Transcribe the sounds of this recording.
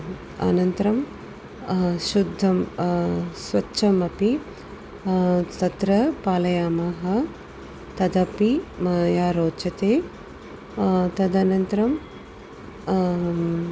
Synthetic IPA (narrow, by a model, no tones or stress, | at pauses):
ɐ̰nɐnt̪ɐɾɐm | ʃud̪ʱːɐm | sʋɐtːʃɐmɐpi | t̪ɐt̪ɾɐpaːlɐjaːmaːɦɐ | t̪ɐd̪ɐpimɐjaːɾoːtːt͡ʃɐt̪eː | t̪ɐd̪ɐnɐnt̪ɐɾɐm